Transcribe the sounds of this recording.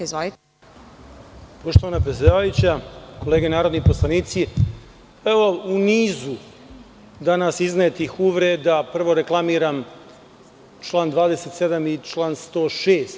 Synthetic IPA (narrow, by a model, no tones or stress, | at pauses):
zʋali | po̞ʃt̪oʋanapɾesʲd̪aʋajut͡ɕako̞le̞ːɡenaːɾo̞d̪nipo̞slˠaniːt̪si | eʋo̞uniːzu | d̪anasiznaet̪ixuʋɾed̪apr̩ʋo̞ɾeklˠamiːɾam | t͡ʃlˠaːnd̪ʋaːd̪e̞se̞t̪se̞d̪amit͡ʃlˠaːnst̪o̞ːʃeːst̪